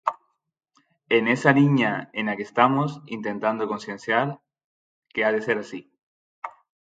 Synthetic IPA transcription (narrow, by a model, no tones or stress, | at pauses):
enesaliɲaenakest̪amosḭnt̪ẽ̞nt̪and̪okonsjenθjaɾ | keaðeseɾasi